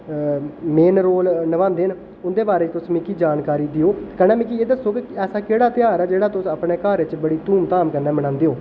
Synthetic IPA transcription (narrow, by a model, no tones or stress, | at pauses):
meːnɾoːlnəʋãːnd̪eːn | ʊnd̪eːbaːɾeːt̪ʊsmĩːkiːd͡ʒaːnkaːɾiːd̪ɪoːkəñɛːmĩk̬ieːd̪əsːoːkɪɛːsaːkeːɽaːt̪ɪjaːɾɛːd͡ʒeːɽaːt̪ʊsəpɳeːkaːɾɪt͡ʃbəɽiːt̪uːmt̪aːmkənːɛːməɽãːnd̪eːoː